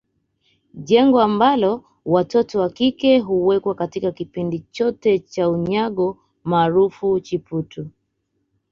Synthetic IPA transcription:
ʄɛŋɡɔambalɔ | watɔtɔwakikɛɦuwɛkwakatikakipindit͡ʃɔtɛt͡ʃauɲaɠɔ | maːɾufut͡ʃiputu

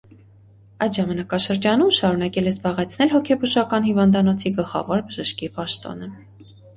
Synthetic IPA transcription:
ɑjd̪ʒɑmɑnɑkɑʃəɾd͡ʒɑnumʃɑɾunɑkɛlɛzbɑʁɛt͡sʰnɛlɦɔkʰɛbuʃɑkɑnhivɑnd̪ɑnɔt͡sʰiɡəlχɑ̰vɔɾbəʒəʃkipɑʃt̪ɔ̰nə

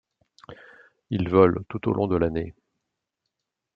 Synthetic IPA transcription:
ilvɔlt̪ut̪o̰lʔɔ̃d̪əlane

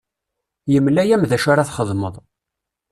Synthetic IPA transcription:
jəmlæjæmðæʃaɾaθχəðˤməðˤ

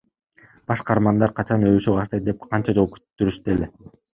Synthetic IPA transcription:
b̥ɑʃqɑɾmɑnd̪ɑɾqʰɑt͡ʃɑnøβʃøbɑʃt̪ɑjt̪̚d̪ep̚qʰɑnt͡ʃɑd͡ʒo̞lˠuky̥t̪ːyɾyʃt̪ele

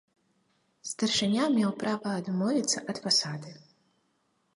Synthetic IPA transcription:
st̪ɐrʂɨnʲamʲɛwpɾavɐːd̪mɔvʲit̪sːɐʔɐd̪fasad̪ɨ

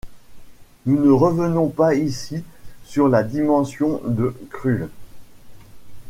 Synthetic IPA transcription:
nunəʁəvənɔ̃paisisyʁlad̪imɑ̃sjɔ̃d̪əkχy

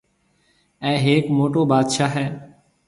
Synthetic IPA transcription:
ɛ̃ːɦeːkmoːʈoːɓaːd̪ʃaːɦɛː

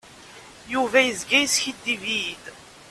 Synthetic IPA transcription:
juvæjəzɡæjsçid̪ːivid̪

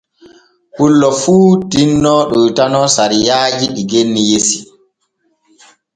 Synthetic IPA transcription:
hulːɔfuːtinːɔɗɔjtanɔsaɾijaːd͡ʒiɗiɡenːijesi

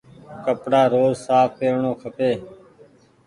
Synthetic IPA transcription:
kəpɽaːɾoːzsaːfkeːʋɳoːkʰəpeː

